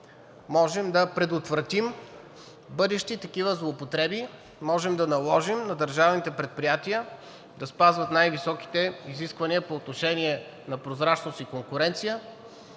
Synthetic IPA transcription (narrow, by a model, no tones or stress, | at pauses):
mɔʒɛmd̪ɐpɾɛd̪ot̪vɾɐt̪im | bɤd̪ɛʃt̪it̪ɐkivəzlˠoːpot̪ɾɛbi | mɔʒɛmd̪ɐnɐlˠɔʒimnɐd̪əɾʒavnit̪ɛpɾɛt̪̚pɾijat̪iə | d̪ɐspazvət̪najvisɔki̥t̪ɛiziskvɐniəpoːt̪noʃɛniɛ | nɐpɾozɾat͡ʃnost̪ikoŋkʊɾɛnt̪sijə